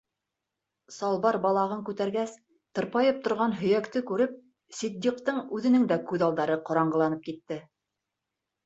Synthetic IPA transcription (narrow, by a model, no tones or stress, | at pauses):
sɑlˠβɑɾbɑlˠɑʁɤŋkʉt̪æɾɡæs | t̪ɤ̆ɾpɑjɤp̚t̪ŏɾʁɑnɦɵ̆jækt̪ɘkʉɾɘp̚ | sid̪ːiq̚t̪ɤɴʉðɘ̆nɘŋd̪ækʉðɑlˠd̪ɑɾɤqŏɾɑɴɢɤ̆lˠɑnɤp̚kit̪ːɘ